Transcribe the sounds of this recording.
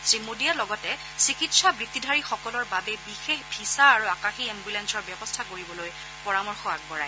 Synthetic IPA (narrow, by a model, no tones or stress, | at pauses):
zimodialɔɡɔtɛ | sikitsabɹitːidʱaɹixɔkɔlɔɹbabɛbixexbʱisaːɹuakaxiɛmbulɛnsɔɹbjɔbɔstʰakoɹibɔloj | pɔɹamɔɹxɔak̚bɔɹaj